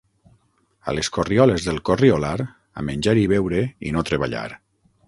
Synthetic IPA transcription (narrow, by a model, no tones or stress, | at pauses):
a̰leskoriɔlezðelˠkoriolaɾ | a̰menʲd͡ʒaɾiβewɾeḭnot̪ɾeβa̰ʎa̰ɾ